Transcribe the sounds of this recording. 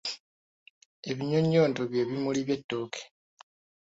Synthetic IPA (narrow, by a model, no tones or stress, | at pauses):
e̞βiɲoɲːo̞ːntoβje̞ːβimuliβje̞tːo̞ːkʰe̥